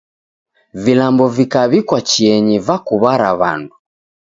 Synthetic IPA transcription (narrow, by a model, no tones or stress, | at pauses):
vilambɔvikaβikwat͡ʃiɛɲivakuβaɾaβa̰ndu